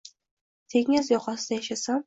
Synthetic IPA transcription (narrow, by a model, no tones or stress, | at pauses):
t̪ʰeŋʲɪzjɒqʰɒsɪd̪ajaʃasam